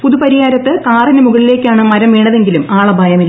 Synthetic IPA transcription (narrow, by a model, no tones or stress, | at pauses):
puðupɐɾijaːɾɐt̪ːɨkaːrinɐmuɣɐɭile̞ːkʲːaːɳɨmɐɾɐmʋeːɳːɐðe̞ŋɡilumaːɭɐbʱɐjɐmilːɐ